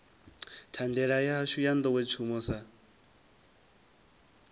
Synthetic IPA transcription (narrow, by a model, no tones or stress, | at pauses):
tʰandɛɺajaɦaʃujand̪ɔkwɛt͡ʃʰumɔsa